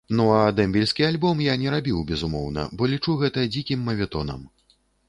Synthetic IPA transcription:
nuad̪ɛmʲbʲilʲsʲkʲialʲbɔmjanʲɛɾabʲiwbʲɛzumɔ̰wnɐ̰bɔlʲit͡ʂuɣɛt̪ɐd͡zʲikʲimːɐvʲɛt̪ɔnɐ̰m

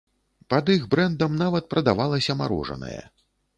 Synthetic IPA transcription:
pɐd̪iɣbɾɛnd̪ɐmnavɐt̪̚pɾɐd̪avalˠɐsʲɐmaɾṵʐɐ̰nɐ̰jɐ̰

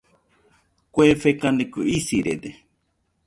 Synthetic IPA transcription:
kʷefekand̪ekuisiɾḛd̪e

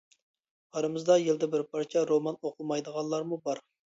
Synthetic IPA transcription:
ɑɾɨmɨzd̪ɑjeld̪ɛbɪɾpʰɑɾt͡ʃʰɑɾomɑnoqʰʊmɑjd̪əʁɑnlˠɑɾmubɑɾ

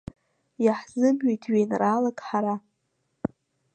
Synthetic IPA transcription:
jaħzɨmɥejtʰɥejnraːlakʼħaɾa

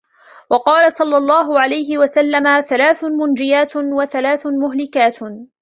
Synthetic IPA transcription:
wɑqɑːlasˤɑlːɑlˤːɑːɦʊʕalajɦɪwasalːamaθalaːθmʊnd͡ʒɪjaːt̪waθalaːθmʊɦlɪkaːt̪

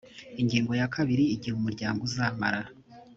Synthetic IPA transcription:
iɲɟiːŋɡo̞jakʰaβiɾiːɟihumuɾɟaːŋɡuzaːmaɾaɾa

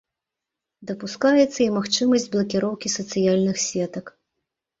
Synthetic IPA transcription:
d̪ɐpuskajɛt̪sːɐimaxt͡ʂɨmɐzʲd͡zʲblˠɐkʲiɾɔwkʲisɐt̪sɨjalʲnɨxsʲvʲɛt̪ɐk

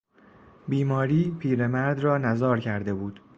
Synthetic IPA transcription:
biːmɒːɾiːpʰiːɾemæɾd̪rɒːnæzɒːɾcʰæɾd̪e̞buːd̪̥

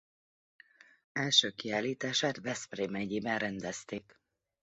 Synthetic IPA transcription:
ɛlʃøːkiaːliːt̪aːʃaːt̪vɛspreːmɛɟeːbɛnrɛnd̪ɛst̪eːk

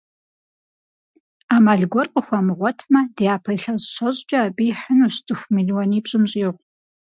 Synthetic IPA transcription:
aːmaːɮɡʷɔrqʼəxʷamɨʁʷɔtʰmɐdejaːpʰɐjɬɐzɕɐɕʼt͡ʃʼɐːbijħənustʰʼɨxʷmiɮiwɔniːbɕʼɨmɕʼjɛːʁʷ

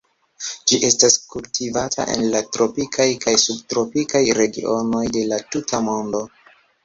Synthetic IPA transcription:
d͡ʒiʔe̞staskultʰivatʰa̰ʔe̞̰nlatɾo̞pikʰajkajsub̚tɾo̞pikajɾe̞ɡḭʔo̞no̞jde̞latutamo̞ndo̞

